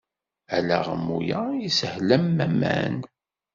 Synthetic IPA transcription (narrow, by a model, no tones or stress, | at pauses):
ælæʁə̰mːṵjaisəhlæmːæmːæ̰n